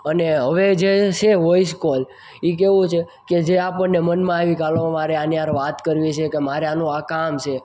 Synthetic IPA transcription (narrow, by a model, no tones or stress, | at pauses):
əneɦəʋed͡ʒet͡ʃʰeʋoiskɔl | ik̬eʋũt͡ʃʰe | ked͡ʒeapənːemənmãaʋikalomaɾeanijaɾʋat̪kəɾʋit͡ʃʰekemaɾeanõakamt͡ʃʰe